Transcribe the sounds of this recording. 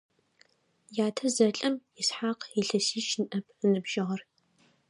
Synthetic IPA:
jaːtʰɐzɐɬʼɐmjɪsħaːqiɬɐsiːʃnʔɐpʰənɨbʒ̥ɐʁɐr

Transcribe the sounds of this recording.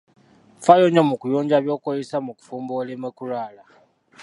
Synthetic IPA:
fajoɲomukujoːɲɟaβjo̞ːkozesamuku̥fuːmboːlemekulaːla

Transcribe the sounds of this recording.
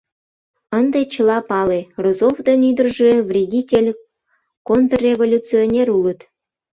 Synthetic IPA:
ənd̪et͡ɕəlɑpɑlerozovd̪enyd̪ərʒeβrʲedʲitʲelʲ | kont̪rrʲevolʲut͡sionʲeɾulət̪

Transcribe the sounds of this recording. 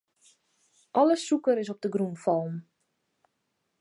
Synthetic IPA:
ʔɑləsukəɾɪs̬ɔp̚dəɡrunfɔlˠm

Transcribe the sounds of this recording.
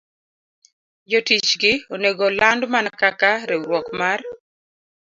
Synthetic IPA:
d͡ʒotit͡ʃɡɪoneɡolandmanakakaɾɛwwɔkmar

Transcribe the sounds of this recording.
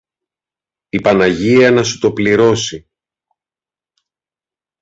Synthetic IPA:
ipɐnɐʝiɐnɐsut̪o̞pliɾo̞si

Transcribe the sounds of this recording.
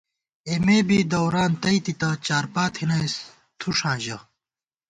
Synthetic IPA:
emeːbiːd̪ɐwɾaːnt̪ɐit̪it̪ɐt͡ɕaːɾpaːt̪ʰhinɐjs | t̪ʰuʂãːʑɐ

